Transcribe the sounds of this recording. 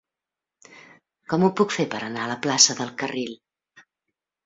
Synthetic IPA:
kɔmupukfepəɾənaələplasəðəlˠkəril

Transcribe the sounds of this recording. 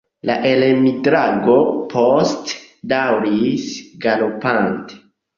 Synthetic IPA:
la̰ʔelemidɾaɡo̞pʰost | dawɾisɡalopante̥

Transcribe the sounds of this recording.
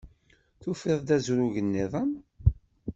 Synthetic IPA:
θufɪðˤd̪æzuɾuʝənːiðˤəm

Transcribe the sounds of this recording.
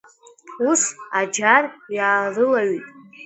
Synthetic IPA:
usad͡ʒarjaːrɨlaɥitʼ

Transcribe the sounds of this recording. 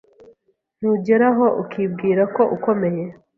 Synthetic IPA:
n̥uːɟe̞ɾaɦo̞ʔukʰib̚ɡiːɾako̞ʔuko̞me̞je̞

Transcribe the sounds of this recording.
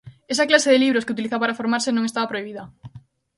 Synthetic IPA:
es̬ɐklaseðeliβɾoskeut̪iliθapaɾafoɾmaɾsenõŋest̪aβapɾoiβ̞iðɐ

